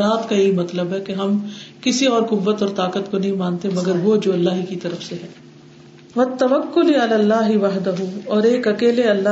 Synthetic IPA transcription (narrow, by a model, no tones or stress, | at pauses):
ɾaːt̪kajeːmɐt̪ləbɦɛkeɦɐmkɪsiɔːɾkʊʋːət̪ɔːɾt̪aːkət̪konɐɦĩmaːnt̪emɐɡəɾʋod͡ʒoːɐlːaːɦikit̪ɐɾəfseɦɛː | ʋɐt̪ːɐʋɐkːʊliɐlaːlːaːɦɪʋɐɦd̪ɐɦuɔːɾeːkɐkeːleɐlːaː